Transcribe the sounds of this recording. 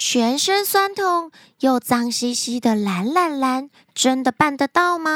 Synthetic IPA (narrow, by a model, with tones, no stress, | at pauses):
t͡ɕʰɥɛ˧˥nʂə˥nswa˥nt̪ʰʊ˥˩ŋ | jo˥˩ʊt͡sɑ˥ŋɕi˥ɕi˥d̪ə˨la˧˥nla˥˩nla˧˥n | ʈ͡ʂə˦˥nd̪ə˨pa˥˩nd̪ə˨t̪ɑ˥˩ʊmɐ˧